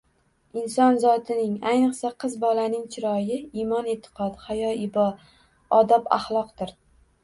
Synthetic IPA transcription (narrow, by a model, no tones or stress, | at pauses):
ɪnsɒnzɒt̪ʰɪnɪŋajnɨqsaqʰɨzbɒlanɪŋt͡ʃʰɪɾɒjɪimɒnet̪ʰːɨ̥qʰɒt̪hajɒɪbɒ | ɒd̪apa̰χlˠɒq̚t̪ɪɾ